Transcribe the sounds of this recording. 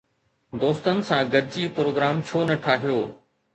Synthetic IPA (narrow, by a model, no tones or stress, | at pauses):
d̪oːst̪ənɪ̆sãɡɐdd͡ʑipɾoːɡɾaːmt͡ɕʰoːnɐʈʰaːɦijoː